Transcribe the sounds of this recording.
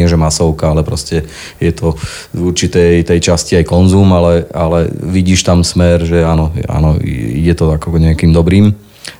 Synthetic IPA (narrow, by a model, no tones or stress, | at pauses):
ɪɛʒɛmasɔʊkaalɛpɾɔscɛ | jɛt̪ʰɔ | uɾt͡ʃit̪ɛjt̪ɛjt͡ʃasciajkɔnzuːmalɛalɛʋiɟiːʃt̪amsmɛɾʒɛanɔa̰nɔ̰ḭɟɛt̪ɔakɔɡɲɛakiːmd̪ɔbɾiːm